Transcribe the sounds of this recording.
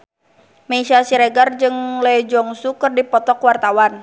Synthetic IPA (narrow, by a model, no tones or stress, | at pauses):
mɛisasiɾɛɡard͡ʒɨŋlɛd͡ʒɔŋsukɨrdipɔt̪ɔkwart̪awan